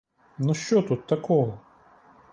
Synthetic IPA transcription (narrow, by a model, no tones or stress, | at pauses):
nɔʃt͡ʃɔt̪ut̪ːɐkɔʋɔ